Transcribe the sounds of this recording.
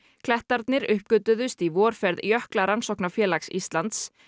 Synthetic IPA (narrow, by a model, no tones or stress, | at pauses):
kʰlɛht̪aɾt̪nɪɾʏhpkʏt̪ʏðʏst̪ivɔːɾ̥fɛɾðjœhklaɾansɔhknafjɛːlaksist̪lant̪s